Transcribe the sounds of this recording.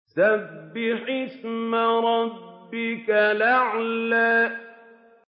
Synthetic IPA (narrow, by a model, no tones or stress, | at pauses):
sabːɪħɪsmaɾˤɑbːɪkalaʕlaː